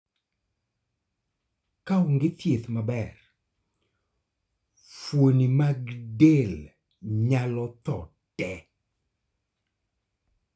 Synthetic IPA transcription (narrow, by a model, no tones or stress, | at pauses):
kaʊŋɡɪt̪jet̪mabɛr | fwonimaɡdel | ɲalɔt̪ɔ | tɛ